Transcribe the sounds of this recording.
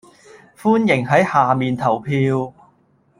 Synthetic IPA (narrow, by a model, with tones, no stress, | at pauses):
fuː˥njɪ˨˩ŋɦɐ˨˥jhaː˨˩miː˨nt̪ʰɐ˨˩wpʰiː˧w